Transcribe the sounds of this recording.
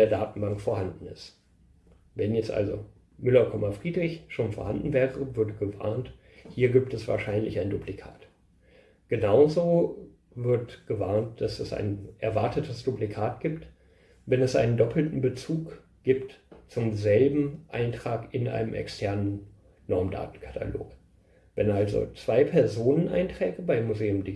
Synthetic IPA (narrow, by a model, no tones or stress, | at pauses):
eːɐdaːtn̩baŋkfoːɐhandn̩ɪ̰st | vɛnjɛt͡stʔa̰lzo | mʏlɐkʰɔmɐfʁ̥iːdʁɪçʃoːnfoɐhandn̩vɛːʁəvɪɐtɡ̥əva̰ɐnt | hiːɐɡiːp̚tɛsv̥a̰ːɐʃaɪnlɪçaɪnduplikʰa̰ːt | ɡ̥ənaʊzoː | vɪɐtɡ̥əvaɐnt̚d̥asɛsa̰ɪnʔɛɐvaɐtətʰəsd̥uplikʰaːt̚ɡ̥iːpt | vɛnɛsʔa̰ɪnəndɔpʰl̩tn̩bət͡suːk | ɡ̥iːptt͡sʊmzɛlbm̩ʔa̰ɪntʁ̥aːkɪnʔa̰ɪnəmʔɛ̰kstʰɛɐnənː | ɔɐmda̰ːtn̩kʰḁtʰa̰lo̰ːk | vɛnʔalzo̰t͡sv̥aɪpʰɛɐzoːnənʔa̰ɪntʁ̥ɛːɡəbaɪmːuzeːʊmdi